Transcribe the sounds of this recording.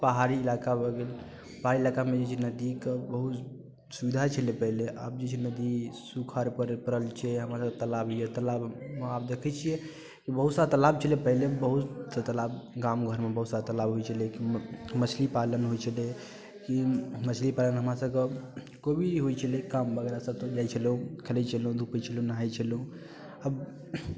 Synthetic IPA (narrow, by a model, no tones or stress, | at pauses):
pəɦaɾiːlakabəɡel | pəɦaɾiilakamed͡ʒet͡ʃʰɛnəd̪ikebəɦut̪ | subid̪ʱat͡ʃʰəlepəɦileʔa̰b̚d͡ʒet͡ʃʰɛnəd̪isukʰaɾpəɾpəɾəlt͡ʃʰɛɦəmɾasəket̪əlabjɛt̪əlabmapd̪ekʰɛt͡ʃʰijɛ | kibəɦut̪sat̪əlab̚t͡ʃʰəlepəɦilebəɦut̪sat̪əlabɡamɡʱəɾmebəɦut̪sat̪əlabɦojt͡ʃʰəlekimət͡ʃʰlipalənɦot͡ʃʰəle | kimət͡ʃʰlipalənɦəmɾasəbke | kobiɦot͡ʃʰəlekambəɡeɾasət̪od͡ʒajt͡ʃʰəliũkʰelɛt͡ʃʰəlũd̪ʱupɛt͡ʃʰəliũnəɦait͡ʃʰəliɦũ | əb